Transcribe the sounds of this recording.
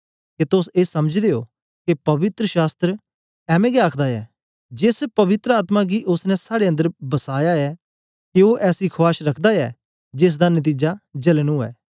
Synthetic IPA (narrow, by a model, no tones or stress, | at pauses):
ket̪ʊseːsɐməd͡ʒd̪eːoː | kepɐʋɪt̪ɾəʃaːst̪ɾə | ɛːmẽɡɛaːkʰd̪aɛ̰ː | d͡ʒɪspɐʋɪt̪ɾəaːt̪maɡiːʔʊsnɛ̃saːɽeə̃nd̪əɾbɐsaːjaɛː | keoːʔɛːsikʰʊaːʃɾɐkʰd̪aɛː | d͡ʒɪs̬d̪anət̪̬iːd͡ʒad͡ʒɐlnũːɛ̰ː